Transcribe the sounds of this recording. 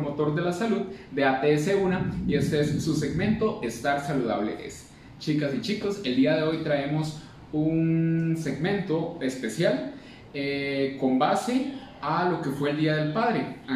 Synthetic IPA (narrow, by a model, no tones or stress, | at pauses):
mot̪o̞ɾd̪e̞lasaluðd̪eat̪eseunaie̞st̪eesːuse̞ɡmẽ̞nt̪oʔest̪aɾsaluða̰βlḛʔḛs | t͡ʃikasit͡ʃiko̞se̞ld̪iaðe̞o̞jt̪ɾae̞mos | unse̞ɡmẽ̞nt̪o̞e̞spe̞sjal | eko̞mbase | alo̞ke̞fwe̞ːld̪iaðe̞lpaðɾea